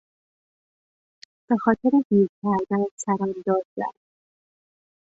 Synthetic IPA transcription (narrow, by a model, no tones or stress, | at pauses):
b̥e̞xɒːt̪ʰe̞ɾehiːcʰæɾd̪ænsæɾɒd̪ɒːd̪zæ̰ɾ